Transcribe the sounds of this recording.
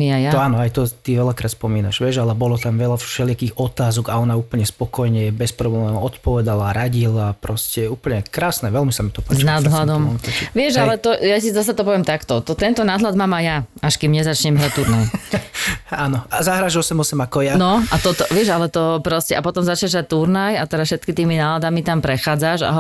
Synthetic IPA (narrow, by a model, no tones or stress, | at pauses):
miajaɔanɔajt̪ɔt̪iʋɛlakɾaːt̪spɔmiːnaʃʋɪɛʒalɛbɔlɔt̪amʋɛlafʃɛlɪakiːɣɔt̪aːzɔɡaɔnauːpl̩ɲɛspɔkɔjɲɛbɛspɾɔblɛmɔt̪pɔʋɛd̪alaɾaɟilapɾɔscɛuːpl̩ɲɛkɾaːsnɛʋɛlmisamit̪ɔpazt͡ʃnad̪ɦlad̪ɔmʋɪɛʒalɛt̪ɔjasizas̬at̪ɔpɔʋɪɛmt̪akt̪ɔt̪ɔt̪ɛnt̪ɔnaɦlad̪maːmajaaʃkimɲɛzat͡ʃɲɛmɦɾac̚t̪uɾnaj | anɔazaɦɾaʒɔsɛmɔsɛmakɔjanɔʔat̪ɔt̪ɔʋɪɛʒalɛt̪ɔpɾɔscɛʔapɔt̪ɔmzat͡ʃɲɛʒɦɾac̚t̪uɾnajat̪ɛɾasfʃɛt̪kit̪iːminaːlad̪amit̪ampɾɛxaːd͡zaʃa̰ɦ